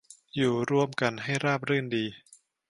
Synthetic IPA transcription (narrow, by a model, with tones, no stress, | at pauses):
juː˨˩ɾu˧əmka˧nɦa˥˩jɾaː˥˩p̚ɾɯː˥˩ndiː˧